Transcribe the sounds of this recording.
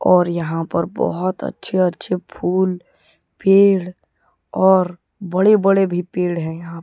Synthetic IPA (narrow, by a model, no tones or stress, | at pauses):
ɔːɾjɐɦãpɐɾbɔ̰ɦʊt̪ə̰tːʃʰeɐtːʃʰepʰuːl | peːɽ | ɔːɾ | bɐɽebɐɽebʱipeːɽɦɛ̃jɐɦã